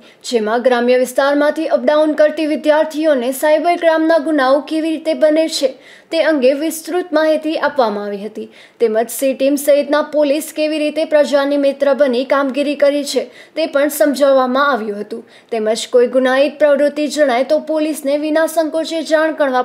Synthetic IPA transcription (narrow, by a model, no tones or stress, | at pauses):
d͡ʒemãɡɾamjəʋɪst̪aɾmãt̪ʰiʔəp̚ɖaunkəɾt̪iʋɪd̪jaɾt̪ʰijonesajbəɾɡɾamnaɡunaokeʋiɾit̪ebənet͡ʃʰe | t̪eəŋɡeʋɪst̪ɾut̪maɦit̪iʔapʋamãaʋiɦət̪i | t̪eməd͡ʒsiʈimsəɦit̪napoliskeʋiɾit̪epɾəd͡ʒanimet̪ɾəbənikamɡiɾikəɾit͡ʃʰet̪epəɳsəmd͡ʒʱəʋːamãaʋjũɦət̪ũ | t̪eməd͡ʒkoiɡunait̪̚pɾəʋɾʊt̪ːid͡ʒəɽ̃ajt̪opolisneʋɪnasəŋkot͡ʃed͡ʒaɳ̃kəɳʋa